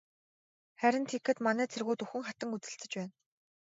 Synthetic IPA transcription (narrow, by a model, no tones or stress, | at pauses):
χæɾʲɪ̆nt̪ʰekːɘ̆t̪manæːt͡sʰerɣuːt̪uxɘ̆ŋχat̪ə̆ŋut͡sɘ̆ɬt͡sɘ̆t͡ɕpæːn